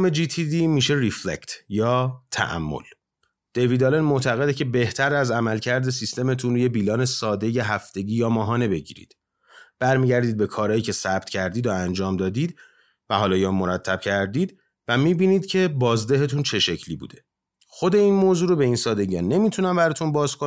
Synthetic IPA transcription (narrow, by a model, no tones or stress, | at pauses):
med͡ʒit̪ʰid̪imiːʃe̞ɾiflḛct̪jɒːt̪ʰæ̰ʔæ̰mːo̰l | d̪̥e̞viːd̪ɒlenmo̞t̪ʰæɣe̞d̪ecʰe̞be̞ht̪ʰæɾæzæmælcʰæɾd̪es̬ist̪e̞me̞t̪ʰunɾuje̞bilɒːne̞sɒːd̪e̞je̞ɦæft̪e̞ɟiːjɒːmɒːɦɒːne̞be̞ɟḭɾḭd̪̥ | b̥æɾmiːɟæɾd̪iːd̪̚be̞kʰɒːɾɒːjiːcʰe̞sæb̥̚t̪cʰæɾd̪iːd̪oænd͡ʒɒːmd̪ɒːd̪iːd̪ | væɦɒːlɒːjɒmːoɾæt̪ʰːæb̥̚cʰæɾd̪iːd̪ | væmiːbiːniːd̪̥cʰe̞bɒːzd̪eɦet̪ʰunt͡ʃʰe̞ʃe̞cʰlibṵːd̪e̞ | xo̞d̪e̞inmoːzuːɾobe̞insɒːd̪e̞ɟiɒnːe̞mit̪ʰunæmbæɾɒːt̪ʰunbɒːzkʰo